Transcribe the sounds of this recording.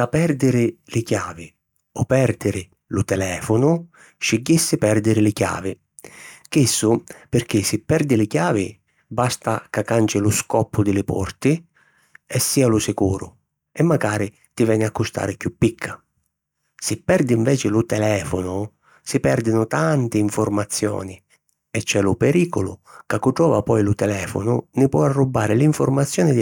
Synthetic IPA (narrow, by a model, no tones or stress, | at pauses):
apɛɾd̪ɪɾɪlɪkjaːvɪ | ɔpɛɾd̪ɪɾɪ | lʊt̪ɛlɛːfʊnʊ | ʃɪɟːisːɪpɛrd̪ɪɾɪlɪkja̰ːvɪ | kisːʊpɪɾk̟ɪsɪpːɛɾd̪ɪlɪkjaːvɪ | bast̪akakːant͡ʃɪlʊskɔpːʊd̪ɪlɪpɔ̰rt̪ɪ | ɛsːiːalʊsɪkuːɾʊ̰ | ɛmːaɡaːɾi | t̪ɪvɛːnɪakːust̪a̰ːɾɪkjupːikʰːḁ | sɪpːɛɾd̪iɱvɛːt͡ʃɪlʊt̪ɛlɛːfʊnʊ | sɪpɛɾd̪ɪnʊt̪ant̪ɪːɱfʊɾmat̪sːjɔ̰ːni | ɛt͡ʃːɛlʊpɛɾiːkʊlʊ̰kakːuʈɾɔːvapɔjlʊt̪ɛlɛːfʊ̰nʊnɪpwɔarːubːaːɾɪliɱfʊɾmat̪sːjɔːnɪd̪